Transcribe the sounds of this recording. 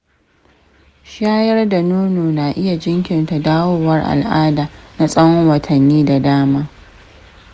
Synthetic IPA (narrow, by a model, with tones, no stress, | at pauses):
ʃaː˦jɐ˦rda˨noː˦noː˨na˨ʔɪ˦ja˨d͡ʒɪ˦ŋkʲɪ˨nta˨daː˦woː˦wɐ˦rʔa̰˨lʔaː˦daː˨na˦sʼɐ˦wɔ˦wɐ˨tʰɐ˨nːiː˦da˨daː˦maː˦